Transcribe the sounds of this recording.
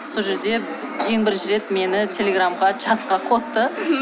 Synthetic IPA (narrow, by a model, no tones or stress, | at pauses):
soʒe̞ɾd̪e̞ | je̞ŋbɪɾʒɪɾe̞t̪me̞nɪt̪ʲʰe̞lʲeɡramʁɑt͡ʃʰɑt̪qɑqʰo̞st̪ə